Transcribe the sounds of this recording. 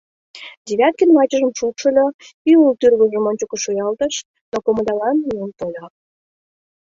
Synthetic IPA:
d̪ʲeβʲæt̪̚kənmɑt͡ɕə̆ʒəmʃupʃə̆lʲoiult̪yrɣə̆ʒə̆monʲt͡ɕokə̆ʃujɑlt̪ə̆ʃ | d̪̥okoməd̪ɑlɑnmiəmt̪olʲɑ

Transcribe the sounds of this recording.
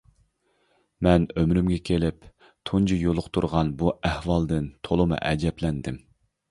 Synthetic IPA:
mɛnømɾymɡʲɛkʲʰelɪp | t̪ʰund͡ʒijolˠʊqt̪ʰuɾʁɑnbuæhwɑlˠd̪ɨnt̪ʰolˠɨmɨ̰ʔɛ̰d͡ʒɛplɛnd̪ɪm

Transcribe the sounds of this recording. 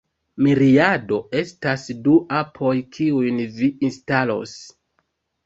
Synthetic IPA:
miɾiado̞e̞stasduʔapʰo̞jkʰiujnviinstalo̞̰s

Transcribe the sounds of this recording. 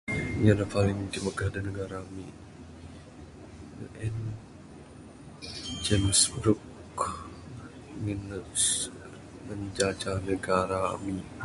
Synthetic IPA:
ɲanapalɪŋdiməɡahdanəɡaɾami | ʔɛn | d͡ʒɛnəsbɾʊk | ŋins | məɲd͡ʒad͡ʒanəɡaɾa̰mi

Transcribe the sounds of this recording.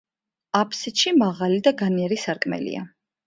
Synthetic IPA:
apʰsit̪ʃimaʁalid̪aɡaniɛɾisaɾkʼmɛ̰lḭa̰

